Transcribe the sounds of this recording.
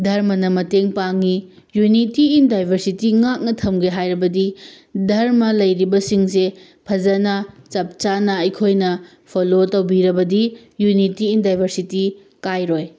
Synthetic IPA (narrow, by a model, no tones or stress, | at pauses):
dʱɐɾmɐnɐmɐteŋpaŋi | junitiːndajbʱɐɾsitiŋak̚nɐtʰɐmɡeɦajɾɐbɐdi | dʱɐɾmɐlɐjɾibɐsiŋse | pʰɐzɐnɐt͡ʃɐp̚t͡ʃanɐɐjkʰojnɐ | pʰolotɐwbiɾɐbɐdi | junitiːndajbʱɐɾsiti | kajɾoj